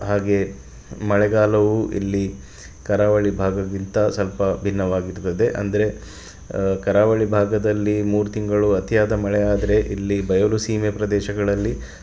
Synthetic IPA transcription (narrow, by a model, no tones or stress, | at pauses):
ɦaːɡe̞ | mɐɭɛɡaːlɐʋuʔḭlːi | kɐɾaːʋɐɭibʱaːɡɐɡint̪ɐsɐlpɐbʱinːɐʋaːɡiɾt̪ːɐd̪e̞ʔɐ̰nd̪ɐɾe̞ | kɐɾaːʋɐɭibʱaːɡɐd̪ɐlːimuːɾut̪iŋɡɐɭuɐt̪ijaːd̪ɐmɐɭɛaːd̪ɐɾe̞ʔilːibɐjɐlusiːmepɾɐd̪ɛːʃɐɡɐɭɐlːi